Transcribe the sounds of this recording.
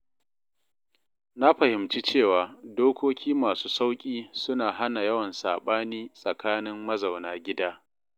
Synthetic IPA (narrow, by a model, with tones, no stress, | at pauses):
na˦ɸɐ˨hɪ˨mt͡ʃi˦t͡ʃeː˦˨waː˨doː˦kʷoː˦kʲʰiː˦maː˨suː˦sa˦wkʲʼiː˦sʊ˦naː˨ɦa˦na˨jɐ˦wɐ˨nsa̰ː˨ɓaː˦niː˦sʼɐ˨kaː˦nɪ˦mːɐ˦za˨wnaː˦ɡʲɪ˦daː˦